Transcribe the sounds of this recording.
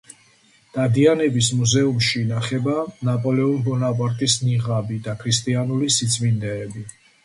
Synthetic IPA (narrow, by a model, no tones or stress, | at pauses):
d̪̥ad̪ianɛbismuzɛumʃinaχɛbanapʼɔlɛunbɔnapʼaɾt̪ʼisniʁabid̪akʰɾist̪ʼianulisit̪sʼvind̪ɛːbi